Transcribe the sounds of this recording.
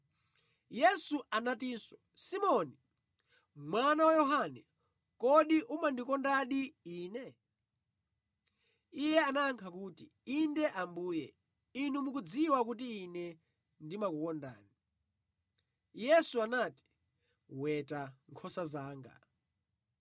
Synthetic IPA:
jɛsuʔanatiːswɔ | simɔni | mwanawajɔɦanɛ | kɔɗiʔumandikɔndaɗiiːnɛ | ijɛanaːŋkʰakuːti | indɛʔambuːjɛ̰ | inumuk̬ud͡ziwak̬ut̬iːnɛ | ndimakukɔnda̰ːni | jɛsuanati̥ | wɛtaŋkʰɔsazaːŋɡa̰

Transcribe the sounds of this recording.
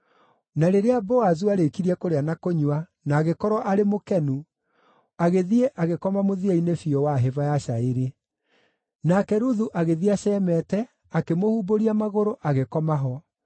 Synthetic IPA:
naɾeɾeabɔazuaɾekiɾiɛkoɾeanakoɲwa | naːɣekɔɾɔʔaɾemokɛnu | aɣeðieʔaɣekɔmamoðiainefiɔwaɦevajaʃaeɾe | nakɛɾuðuʔaɣeðiaɕɛːmɛtɛ | akemohuboɾiamaɣoɾoʔaɣekɔmaɦɔ

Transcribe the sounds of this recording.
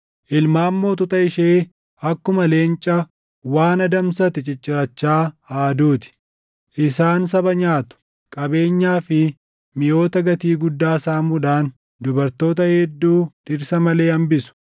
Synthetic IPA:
ʔɪlmaːmːo̞ːt̪̬ʊt̪ʼɐɪʃeː | ɐkːʊmɐle̞ːnt͡ʃʼɐ | waːnɐd̪ɐmsɐt̪ɪt͡ʃʼɪt͡ʃʼːɪɾɐt͡ʃːaːaːd̪uːt̪ɪ̥ | ʔɪsaːns̬ɐbɐɲaːt̪ʊ̥ | kʼɐbe̞ːɲːaːfɪ | mɪjo̞ːt̪ɐɡɐt̪iːɡʊd̪ːaːsaːmuᶑaːn | d̪ʊbɐɾt̪o̞ːt̪ɐhɛd̪ːuːd̪ɪɾsɐmɐle̞ːɐmbɪsʊ̥

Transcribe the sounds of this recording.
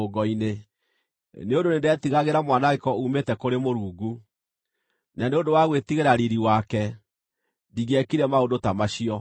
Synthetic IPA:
oɡɔine | neondonendɛtiɣaɣeɾamwanaɣekɔumetɛkoɾemoɾuːɡu | naneondowaɣwetiɣeɾaɾiɾiwakɛ | ndiɣɛkiɾɛmaondotamaɕiɔ

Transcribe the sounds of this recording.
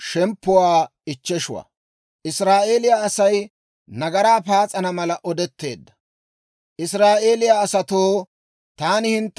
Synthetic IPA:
ʃɛmpːʊwaːɪt͡ʃːɛʃʊwa̰ | ʔɪsɾaːʔe̞ːlɪjaɐsɐj | nɐɡɐɾaːpaːt͡sʼɐnɐmɐlɐʔɔd̪ɛt̪ːe̞̰ːd̪ːɐ̥ | ʔɪsɾaːʔe̞ːlɪjaːsɐt̪oː | t̪aːnɪhɪnt̪ː

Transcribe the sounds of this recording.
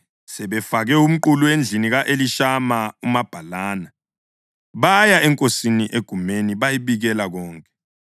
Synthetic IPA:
sɛɓɛfaɣɛum̩ǃuluwend͡ɮʱiniɣaʔeliʃamaumab̥ʱalaːna | βajaɛŋkʼosiniʔeɡ̥ʱumeniβajiβiɣɛlaɣɔːŋkʼɛ̥

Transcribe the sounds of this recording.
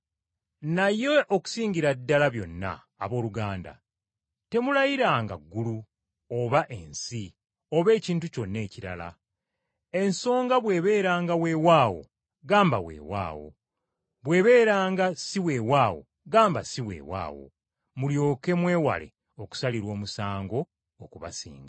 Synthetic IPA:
najeʔoku̥siːɲɟiɾadːalaβjo̞̰nːa̰ːβo̞ːluɡaːnda̰ | te̞mulajiɾaːŋɡa̰ɡːulu | oβaʔe̞nsi | oβe̞ːciːntuco̞nːe̞ːciɾa̰la̰ | e̞nso̞ːŋɡaβwe̞ːβe̞ːɾaːŋɡawe̞ːwaːwo̞̰ | ɡaːmbawe̞̰ːwa̰ːwo̞̰ | βwe̞ːβe̞ːɾaːŋɡasiwewaːwo̞̰ | ɡaːmbasiwe̞̰ːwa̰ːwo̞̰ | muljo̞ːke̞mwe̞ːwa̰le̞̰ | oku̥saliɾwo̞ːmusaːŋɡo̞ | okuβa̰sḭːŋɡa

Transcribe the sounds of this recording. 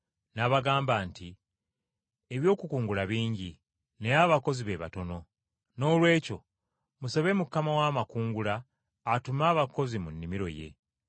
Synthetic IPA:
naβaɡaːmbaːnti | eβjo̞ːkukuːŋɡulaβiːɲɟi | ne̞jaβako̞ziβe̞βa̰to̞no̞ | no̞ːlwe̞ːco̞ | musoβe̞mukːamawaːmakuːŋɡulaː | tumaːβako̞zimunːimiɾo̞̰je̞̰

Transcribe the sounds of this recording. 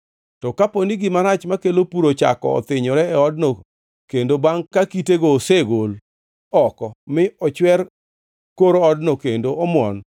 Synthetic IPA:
tɔkaponiɡɪmaɾat͡ʃmakelopuɾot͡ʃa̰kɔ̰ɔ̰t̪ɪɲɔɾɛɛɔdno | kendobaŋkakiteɡoːseɡol | ɔkɔmɪɔt͡ʃwɛr | koɾoɔdnokendoɔmwɔ̰n

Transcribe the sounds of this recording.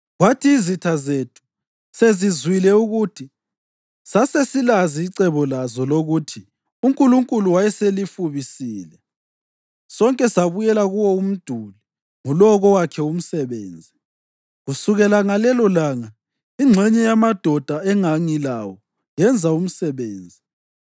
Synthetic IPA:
ɣwatʰiːzitʰazetʰu̥ | sezizwilɛuɣutʰi | sasesilaziːǀɛβɔlazɔloɣutʰi | uŋkʼuluŋkʼuluwajɛselifuβisiːlɛ | sɔŋkʼɛsaβujɛlaɣuwɔum̩d̥ʱuli | ŋulɔɣɔwakʰɛum̩sɛβeːnd͡zʱi | ɣusuɣɛlaŋalɛlɔlaːŋa | iŋ͡ǁʱɛɲɛjamad̥ʱɔd̥ʱaɛŋaŋila̰wɔ | jɛnd͡zʱaum̩sɛβeːnd͡zʱi

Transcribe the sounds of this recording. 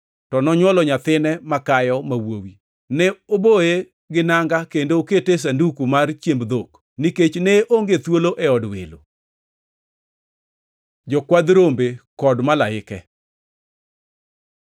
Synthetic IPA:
tɔnɔɲwɔlɔɲat̪ɪnɛmakajɔmawowi | nɛoboe | ɡɪnaŋɡakendooketes̬andukumart͡ʃjembd̪ok | niket͡ʃneʔoŋɡet̪woloʔɛɔdwḛlo | d͡ʒɔkwad̪ɾombekɔdmalaɪkɛ

